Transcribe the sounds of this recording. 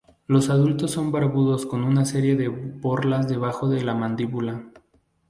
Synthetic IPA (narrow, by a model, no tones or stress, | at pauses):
lo̞saðult̪o̞sːo̞mbaɾβuðo̞sko̞nunase̞ɾje̞ðe̞bo̞ɾlazðe̞β̞axo̞ðe̞lamãnd̪iβula